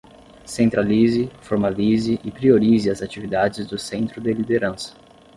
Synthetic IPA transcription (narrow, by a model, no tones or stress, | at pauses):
sẽnt̪ɾalizɪfoɾmalizɪʔɪpɾioɾizɪɐzat͡ʃivid̪ad͡ʒɪzd̪ʊsẽnt̪ɾʊd̪ɪlid̪eɾɐ̃sɐ̥